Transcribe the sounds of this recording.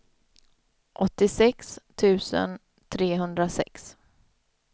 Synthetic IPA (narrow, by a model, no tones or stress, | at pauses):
ʔɔt̪ːɪsɛkst̪ʰʉ̟ːsə̰n | t̪ʰɾeːɦɵnd̪ɾasɛ̰ks